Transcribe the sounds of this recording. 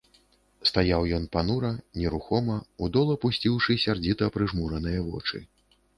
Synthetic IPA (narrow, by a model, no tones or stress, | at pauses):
st̪ajawjɔn̪panuɾɐnʲɛɾuxɔmɐud̪ɔlˠɐpusʲt͡sʲiwʂɨsʲard͡zʲit̪ɐpɾɨʐmuɾɐnɨjɐvɔ̰t͡ʂɨ̰